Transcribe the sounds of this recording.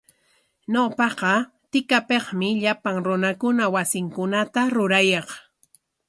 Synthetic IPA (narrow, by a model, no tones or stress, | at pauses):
ɲopɑqɑ | t̪ɪkapeχmɪʎapaŋɾʊnakʊnawasɪŋkʊnat̪aɾʊɾajɑχ